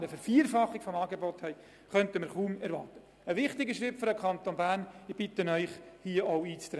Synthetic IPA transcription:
ɾəfɛɾfiəɾfɑχːɪkfɔmɑːɡebɔthɛɪ | χœntəmɪɾχuːmɛɾʋɑ̰ːtə | əʋɪχtɪɡəʃɾɪp̚føɾəkʰχɑntonbæːrnɪb̥ɪtənœʏχhiəʔɔʊiːt͡st̪ɾɛ

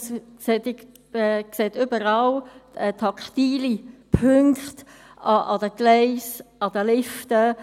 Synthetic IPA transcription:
s | set̪ | kseːt̪ʏbəɾɑlətʰɑktiːlipʰøŋkχt | ɑʔɑ̰dəɡ̥lɛɪsɑd̪əlɪftə

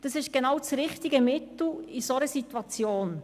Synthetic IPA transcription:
d̥ɑsɪʃɡ̥enawt͡sɾɪχtiɡəmɪtl̩isɔnəsitwɑt͡sjoːn

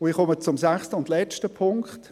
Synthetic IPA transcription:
ʊiχɔmət͡sʊmsæχstəʊntlɛt͡ʃtəpʰʊŋkχt

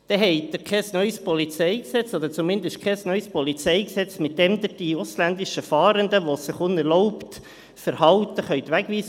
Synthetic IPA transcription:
d̥ɛɦɛɪd̪ɪɾkʰɛsnœʏspɔlit͡sɛɪksɛt͡sɔd̪əɾt͡sʊmɪnd̪əʃtkʰɛsnœʏspɔlit͡sɛɪksɛt͡smɪt̚d̥ɛmd̪ɪd̥iʊslænd̪ɪʃəfɑːɾənd̪əʋosɪχʊnɛɾlɔʊpt̪ | fəɾhɑlt̪əχœʏt̪ʋæɡʋiːs

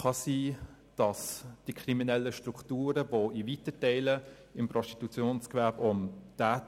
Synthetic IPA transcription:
χɑsiː | d̥ɑsd̥ikχʁiminɛlːəʃtʁukʰtuːɾəvoivitətɛɪlə | ɪmprɔsti̥tut͡sjoːnskʋɛɐbʊntaːt

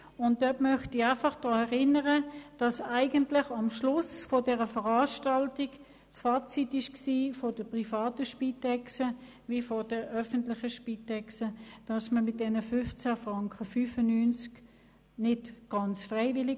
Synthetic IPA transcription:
ʊnt̚d̥œtmœχtiaɪfɑχd̥ʁɑːɛʁɪnəʁəd̥ɑsaɪɡəntlɪχɑmʃlʊsfɔdɛːʁəfəʁɑːʃtɑltik | t͡sfɑːt͡sitɪʃksiːfɔd̥əpʁifɑːtəʃpitɛksə | vifɔdəʔœfəntlɪχəʃpitɛksəd̥ɑsməmɪt̚d̥ɛnəfʏft͡sæfʁɑŋkχəfyːfənyːnt͡sk | nɪtɡ̥ɑnt͡sfʁɛɪvɪlɪ

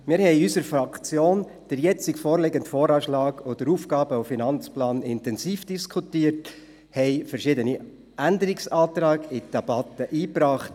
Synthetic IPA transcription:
mɪːɾhɛɪysəɾfɾɑkt͡sjoːn | d̥əɾjɛt͡sɪkfoːɾleɡəntfoːɾɑːʃlɑːɡod̥əɾuːfɡɑːb̥əɔfinɑnt͡splɑːnɪntɛnsiːfd̥iskʰχutiːəɾt | hɛɪfəɾʃɪdəni | ʔændəɾɪksɑːt̪ɾɑːɡɪd̥eb̥ɑt̪ːəʔiːpɾɑːχt

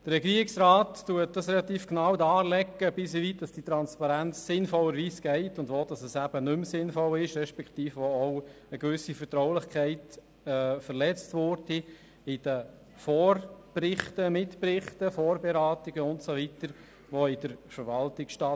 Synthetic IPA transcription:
d̪̥əɾɾɛɡiːɾɪksɾɑːtːuət̚d̥ɑsɾɛlɑt̪iːfknɑwdɑːlɛɡːəbɪsiʋit̚d̥ɑsd̥it̪ɾɑnspɑɾænt͡sːɪnfɔlːəɾʋiːsɡ̥ɛɪtʊndʋod̥ɑsəsæbənʏmsɪnfɔlɪʃɾɛʃpɛktiːfʋoɔw | əkʋʏsifəɾtɾɔwlɪχkʰχɛɪt | ɛːfəɾlɛt͡stʋʊːɾdi | ɪd̥ə | fɔːɾprɪχtəmɪtpɾɪχtəfɔːɾbɛɾɑːtiɡ̥əʊntsɔʋit̪əɾ | ʋɔɪd̥əɾfəɾʋɑltɪksʃtɑː

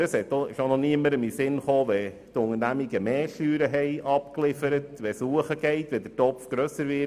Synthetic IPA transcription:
əshɛtːoɪʃonɔniəməɾəmisɪnχoːʋɛ | tʊŋəɾnæmiɡəmɛːʃyːɾəɦɛɪʔɑpklɪfəɾətʋɛsuːəχəɡ̥ɛɪtʋɛdətɔpfɡ̥ɾœsəɾʋɪ

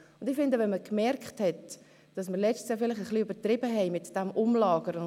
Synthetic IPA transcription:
ʊndɪfɪndəvɛnməkmɛrkχthɛt | d̥ɑsməɾlɛt͡ʃtsjɑfɪlɪχəχliybəɾtɾɪbəɦɛɪmɪtd̥ɛmʔʊmlɑːɡəɾ

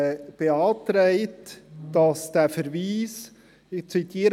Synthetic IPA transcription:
b̥eɑːtɾɛɪtd̥ɑsd̥æfəɾviːs | ɪt͡sit̪ʰiːəɾ

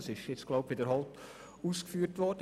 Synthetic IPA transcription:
sɪʃjɪt͡sɡ̥lɔʊpʋɪdəɾɦɔlt | uːskfyːəɾtʋɔd̥ə

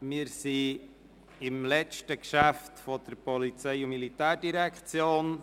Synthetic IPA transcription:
mɪːɾsi | ɪmlɛt͡ʃtəkʃæftfɔd̥əɾpɔlit͡sɛɪʊmilit̪æːɾdiɾɛkχt͡sjoːn

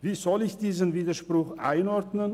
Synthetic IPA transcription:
viːzɔlɪçd̥iːzənviːdɐʃpʁ̥ʊxʔa̰ɪnɔʁdnən

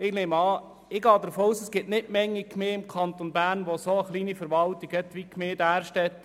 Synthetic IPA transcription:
ɪɡneːmɑː | ɪɡɑːd̪əɾfoːuːsəsɡ̥ɪtnɪtmɛŋːikmeːɪmkʰɑnt̪onbæːɾnʋosoəχliːnifəɾʋɑltiɡɛt̪ʋikmeːdæːɾʃtɛt̪

